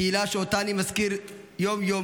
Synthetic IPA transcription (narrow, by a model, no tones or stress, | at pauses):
ilaːʃoːt̪aːnimɐskiɾjoːmjo